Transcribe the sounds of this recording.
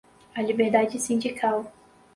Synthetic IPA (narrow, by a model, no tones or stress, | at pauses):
ɐlibeɾd̪ad͡ʒɪsĩnd͡ʒikʰaw